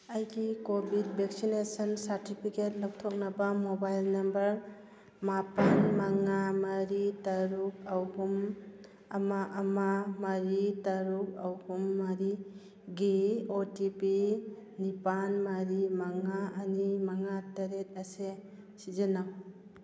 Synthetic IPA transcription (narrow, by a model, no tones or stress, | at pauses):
ɐjɡikobʱid̚bʱek̚sinesɔnsaɾtipʰiket̚lak̚tʰɔk̚nɐbamobajlnɐmbɐɾ | mapanmaŋamaɐɾitɐɾuk̚awɡum | ɐmaʔːmamaɾitɐɾuk̚awɡumːaɾi | ɡiotipinipanmaɾimaŋaːnimaŋatɐɾet̚ɐse | sizenaw